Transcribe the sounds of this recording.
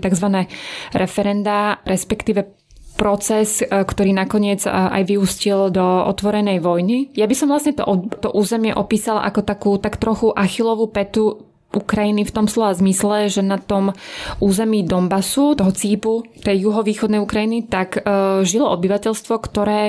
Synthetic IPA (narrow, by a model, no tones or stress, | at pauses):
t̪aɡzʋanɛːɾɛfɛɾɛnd̪aɾɛspɛkt̪iːʋɛ | pɾɔt͡sɛskt̪ɔɾiːnakɔɲɪɛd͡zʔa̰jʋiuscild̪ɔɔ̰t̪ʋɔɾɛnɛjʋɔjnijabisɔmvlasɲɛt̪ɔ̰ʔɔt̪ɔʔuːzɛmɪɛʔɔpiːsalʔa̰kɔt̪akuːt̪akt̪ɾɔxuʔaxilɔʋuːpɛt̪u | ʔukɾajinift̪ɔmslɛazmislɛʒɛnat̪ɔmuːzɛmiːd̪ɔmbasut̪ɔɦɔt͡siːput̪ɛjjuɦɔʋiːxɔd̪nɛjukɾajinit̪akʒilɔɔbiʋacɛʎst̪ʋɔkt̪ɔɾɛː